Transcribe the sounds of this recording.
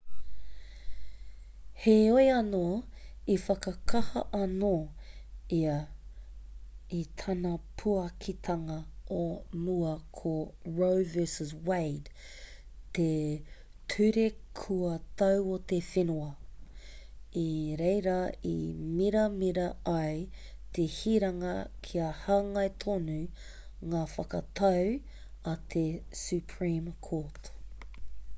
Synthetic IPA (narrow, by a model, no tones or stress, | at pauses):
heojɐnoː | ifɐkɐkʰɐhɐʔɐno | iɐ | it̪ʰɐnɐpʰuɐkʰit̪ʰɐŋɐomuɐkʰoɹowvɛsəzwejd | t̪e | tʰʉɾekʰuɐt̪ɐwot̪efenuɐ | iɾejɾɐḭmiɾɐmiɾɐɐjt̪ehiɾɐŋɐkʰiɐhaːŋɐjt̪ʰonʉ | ŋaːfɐkɐt̪ʰɐw | ɐt̪ʰesʉpʰɹimkʰot